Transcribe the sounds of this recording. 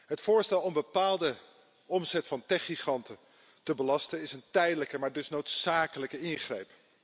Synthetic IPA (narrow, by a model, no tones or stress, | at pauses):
ɦətfʊːɹstɛlˠɔmbəpaːlˠdə | ɔmzɛtfɑntɛχiχɑntə | təbəlɑstənɪsəntɛjdələkəmaːɹdɵsnowtsaːkələkəɪŋχrejp